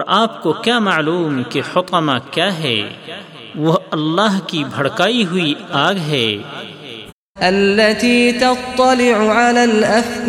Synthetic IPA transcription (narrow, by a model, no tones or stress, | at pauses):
ɾaːpkokjaːmaʕluːmkeħʊt̪ɑmakjaːɦɛ̰ː | ʋoɐlːaːɦkibʱɐɽkaːiɦʊiaːɡɦɛː | ʔalːat̪iːt̪ɑt̪ˤːɑlɪʕʊʕalaːlʔaf